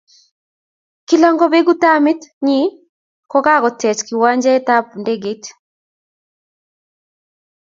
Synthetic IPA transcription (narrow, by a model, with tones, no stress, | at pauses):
ki˨lɔ˦ŋɡɔ˦be˦ɡu˦ta˦mɪ˦t̪ɲi˦ | kɔ˦ka˦kɔ˨tɛ˨t͡ʃki˨wa˦ɲd͡ʒɛ˦ta˦pnde˦ɡe˦t